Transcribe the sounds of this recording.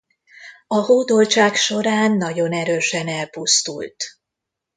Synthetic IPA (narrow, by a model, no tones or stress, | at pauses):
ɒɦoːd̪o̞lt͡ʃaːkʃo̞ɾaːnːɒɟo̞nɛɾøːʃɛnɛlpust̪ṵlt̪